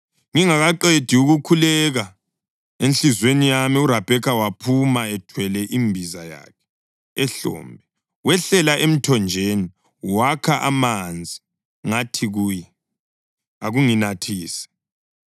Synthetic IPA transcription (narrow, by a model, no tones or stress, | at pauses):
ŋiŋaɣaǃed̥ʱiuɣukʰulɛɣa | enɬizwenijamiuɾab̥ʱɛkʰawapʰumaɛtʰwɛlɛʔimbʱizaja̰kʰɛ̥ | ɬɔ̰ːmbʱɛ | wɛɬɛlaʔem̩tʰɔnd͡ʒʱeni | wakʰaʔamand͡zʱi | ŋatʰiɣuːjɛ | aɣuŋinatʰiːsɛ̥